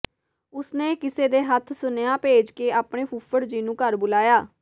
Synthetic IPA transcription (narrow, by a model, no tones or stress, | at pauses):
ʊsneːkɪseːd̪eːɦət̪ʰsʊnjãːpeːd͡ʒkeːaːpɳeːpʰʊpʰəɽd͡ʒiːnũːkəɾbʊlaːjaː